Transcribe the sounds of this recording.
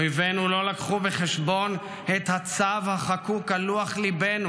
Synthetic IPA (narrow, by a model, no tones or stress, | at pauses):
jvenulo̞lakχubeχeʃbo̞n | et̪hat͡savhaχakukaluaχlibenu